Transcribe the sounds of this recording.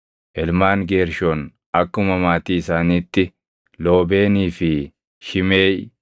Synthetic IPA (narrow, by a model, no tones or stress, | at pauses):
ʔɛlmaːŋɡeːɾʃoːn | ɐkːʊmɐmaːt̪iːɪsaːniːt̪ːɪ | loːbe̞ːniːfɪ | ʃɪme̞ːj